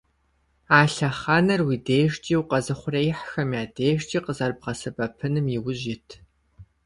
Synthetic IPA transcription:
aːɬɐχanɐrwiːdeːʃt͡ʃʼiːwqɐzɨχʷʊrejɪħxɐmjaːdeːʃt͡ʃʼiːqəzɐrbʁɐsɨbɐpʰɨnɨmiwʊʑɪtʰ

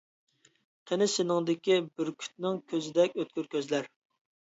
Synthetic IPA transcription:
qʰenɪsɪnɪŋd̪ɪkʲibyɾkʲʰy̥t̪̚nɪŋkʲʰøzɪd̪ɛkʲøt̪̚kʲyɾkʲøzlæɾ

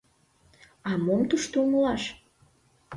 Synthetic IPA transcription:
ɑmomt̪uʃt̪ouməlɑʃ

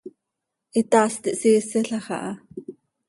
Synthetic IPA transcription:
ʔit̪ɑːst̪iʔsiːsiɬɑχɑ̰ʔɑ

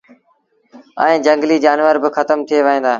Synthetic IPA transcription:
ə̰̃ẽːd͡ʒə̃ŋɡliːd͡ʒaːnʋəɾbɪxət̪əmt̪ʰieːʋəɦẽːnd̪aː

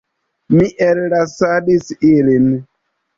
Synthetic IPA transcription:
miʔellasadisilin

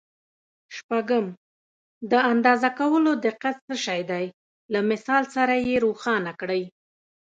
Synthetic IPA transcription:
ʃpaɡəm | d̪əand̪ɑzakawəlod̪ɪqːat̪səʃɑjd̪aj | lamɪsɑlsaɾajeɾoxɑnakɽəj

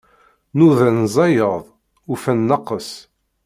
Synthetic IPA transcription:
nuðænzˤɑjəðˤ | ufænːɑqːəs

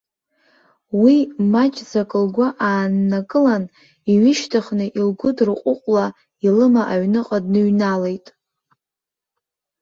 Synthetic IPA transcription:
wimat͡ʃʼzakʼɨlɡʷaʔaːnːakʼɨlan | iɥɪʃtʰaχnɨʔilɡʷʊdrɨqʷʼʊqʷʼla | ilɨmaʔaɥnɨqʼadnɨɥnale̞jtʼ

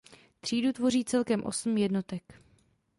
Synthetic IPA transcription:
t̪r̝̥iːdut̪vo̞r̝iːt͡sɛlkɛmʔo̞̰sm̩jɛdno̞t̪ɛk

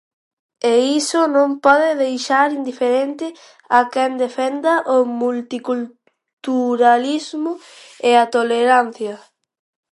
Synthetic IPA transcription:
eisʊnõmpɔðɪðejʃaɾind̪ifeɾent̪ɪ | akɛnd̪efɛnd̪ɐʔomult̪ikul | t̪uɾalizmʊ | eat̪oleɾan̟θjɐ

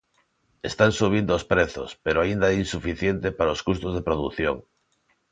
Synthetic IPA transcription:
est̪aŋsuβ̞ind̪oːspɾeθo̰speɾoaind̪aɛinsufiθjent̪epaɾaoskust̪ozðepɾoðuθjoŋ

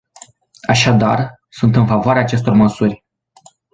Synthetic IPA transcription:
aʃad̪ar | sunt̪ɨnfavoaɾeaːt͡ʃe̞s̬t̪o̞rməsurʲ

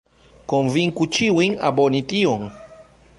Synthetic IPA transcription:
kɔɱviŋkut͡ʃiwiŋa̰bɔnitiɔŋ

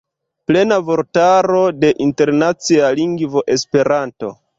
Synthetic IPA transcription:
ple̞navo̞ɾtaɾo̞de̞ʔinte̞ɾnat͡sialiŋɡvo̞ʔe̞spe̞ɾanto̞̰

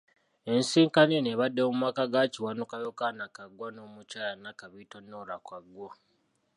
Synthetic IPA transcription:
e̞nsiːŋkaneneβadːeomumakaɡaciwanukajokanakaɡwano̞ːmucaːjanakaβitonːoɾakwaɡwa

